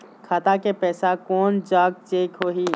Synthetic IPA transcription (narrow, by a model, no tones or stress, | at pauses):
kʰaːt̪akepɛːsakɔːnd͡ʒaːɡ̚t͡ʃeːkɦoːɦiː